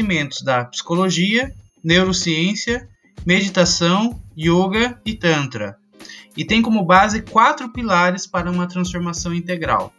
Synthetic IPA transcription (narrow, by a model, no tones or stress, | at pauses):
imẽnt̪ʊ̥zd̪ɐpsi̥koloʒiɐ | newɾosiẽsiɐ | med͡ʒit̪asɐ̃w̃joɡɐɪt̪ɐ̃nt̪ɾɐ̰ | ɪt̪ẽj̃kõmʊbazɪkwat̪ɾʊpilaɾɪspaɾɐũmɐt̪ɾɐ̃sfoɾmasɐ̃w̃ĩnt̪eɡɾa̰w